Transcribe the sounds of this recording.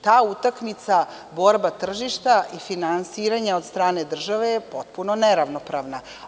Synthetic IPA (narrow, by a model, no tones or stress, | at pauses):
t̪aːut̪akmit̪sa | bo̞ɾbat̪r̩ʒiʃt̪aʔifinansiːɾaɲaod̪st̪ɾaːne̞d̪r̩ʒaʋe̞jepo̞t̪̚punoneɾaʋnopɾaʋna